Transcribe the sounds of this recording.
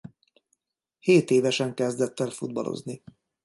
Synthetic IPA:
heːt̪eːvɛʃɛŋkɛzd̪ɛt̪ːɛlfud̪̚bɒlo̞̰zni

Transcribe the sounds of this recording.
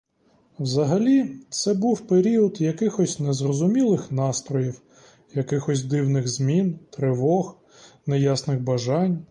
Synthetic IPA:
wzɐɦɐlʲit̪sɛbuwpeɾʲiɔd̪jɐkɪxɔsʲnɛzrɔzʊmʲilˠɪxnɑst̪ɾɔjiw | jɐkɪxɔsʲd̪ɪwnɪɣzmʲint̪ɾɪʋɔɣ | nɛjasnɪɣbɐʒɑnʲ

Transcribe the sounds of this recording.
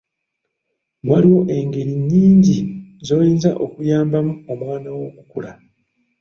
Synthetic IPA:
waliwo̞ʔe̞ŋɡe̞ɾiɲːiːɲɟizo̞ːjiːnzaʔo̞kujaːmbamuomwaːnawo̞kukṵla

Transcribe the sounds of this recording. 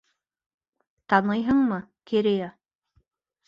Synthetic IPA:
t̪ɑnɤjɦɤɴmɤkʰeɾeja

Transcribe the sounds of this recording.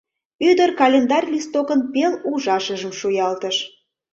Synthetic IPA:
yd̪ərkɑlʲend̪ɑrʲlʲist̪okənpeluʒɑʃəʒəmʃujɑlt̪əʃ

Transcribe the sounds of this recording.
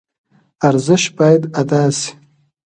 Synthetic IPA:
aɾzəʃbɑːjad̪ad̪aːsi̥

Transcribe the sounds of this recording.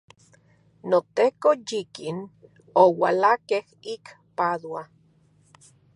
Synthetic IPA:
not̪ekojikin | owalakehik | paðwa

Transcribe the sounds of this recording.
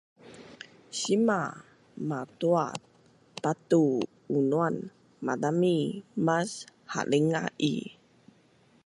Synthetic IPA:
sima | mat̪ua̰t̚ | pat̪u | unuan | madamimasha̰liŋa̰ḭ

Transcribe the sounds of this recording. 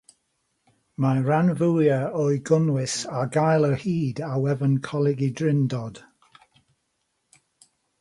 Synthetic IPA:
majɹanvuːjəɔjɡʊnwɪsaɡajlˠəhiːdawɛvənkʰɔlɪɡɪdɹɪndɔd̥

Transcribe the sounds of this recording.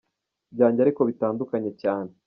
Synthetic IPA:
bɟaːɲɟaɾiko̞βitaːndukaɲe̞caːne

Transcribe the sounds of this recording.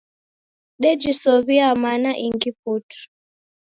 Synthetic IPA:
ɗɛd͡ʒisɔβiamanaʔiŋɡip̚utu̥

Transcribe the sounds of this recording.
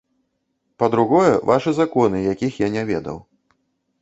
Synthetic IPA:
pɐd̪ɾuɣɔjɛvaʂɨzakɔnɨjakʲixjanʲavʲɛd̪ɐ̰w

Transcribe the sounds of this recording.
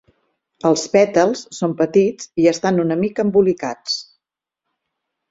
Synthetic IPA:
əlˠspɛt̪əlˠsːompət̪id͡ziəst̪anunəmikəːmbulikat͡s

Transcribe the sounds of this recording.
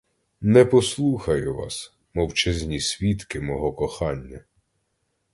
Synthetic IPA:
nɛpɔslˠuxɐjʊʋɑ̰s | mɔwt͡ʃɛzʲnʲisʲʋʲit̪kɪmɔɦɔkɔxɑnʲːɐ

